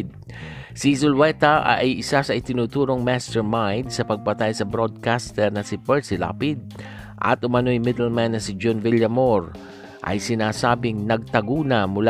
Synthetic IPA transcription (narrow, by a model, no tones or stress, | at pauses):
d̪̚ | sisʊlwɛt̪ɐʔʔɐjɪsasɐʔɪt̪ɪnuːt̪uːɾo̞ŋmast̪ɛɹmajd̪̚sɐpɐɡ̚pɐt̪ajsɐbɾod̪̚kast̪ɛɾnɐsɪpɛɹsɪla̰ːpɪd̪̚ | ʔɐ̰t̪ʔʊmɐnojmɪd̪ɛlmanːɐsɪd͡ʒonvɪljɐmoɹ | ʔɐ̰jsɪnaːsaːbɪŋnɐɡ̚t̪ɐɡuːnɐmʊla